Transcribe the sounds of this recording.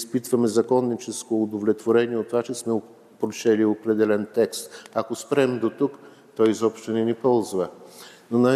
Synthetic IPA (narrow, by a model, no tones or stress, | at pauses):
spit̪vɐmɛzɐkɔnːit͡ʃɛskoːd̪ovlʲɛt̪voɾɛniɛot̪ːovat͡ʃɛsmɛ | pɾot͡ʃɛliopɾɛd̪ɛlɛnt̪ɛkst̪akospɾɛmd̪ot̪uk | t̪ɔjzɔpʃt̪onɛnipɔlˠzvənona